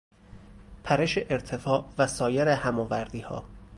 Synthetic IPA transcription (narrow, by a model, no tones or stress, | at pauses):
pʰæɾeʃeʔeɾt̪ʰefɒːvæsɒːjeɾehæmɒːvæɾd̪iːhɒ̰ː